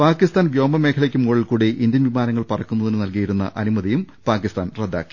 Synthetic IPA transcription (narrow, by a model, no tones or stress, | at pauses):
paːkːist̪aːnbjo̞ːmɐme̞ːkʰɐɭekʲːumuːɭilkuːɽeʔind̪jɐnʋimaːnɐŋːɐɭpɐrɐkːunːɐðinɨnɐlkijiɾunːɐ̰ʔɐnumɐðijum | paːkːist̪aːnred̪ːa̰ːkːi̥